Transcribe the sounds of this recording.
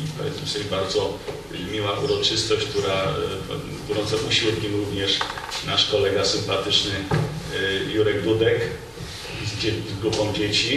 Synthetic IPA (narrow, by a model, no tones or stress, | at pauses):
ipɔvʲjɛ̰t̪smfsɛbaɾd̪zɔ | mʲiwaʔuɾɔt͡ʂɘst̪ɔɕt͡ɕk̚t̪uɾa | t̪uɾɔ̃nt̪sɛʔuɕiuwt̪kʲimɾuvɲɛʂnaʂkɔlɛɡasɘmpat̪ɘt͡ʂnɘ | juɾɛɡd̪ud̪ɛk | zd͡ʑezɡɾupɔ̃w̃d͡ʑet͡ɕi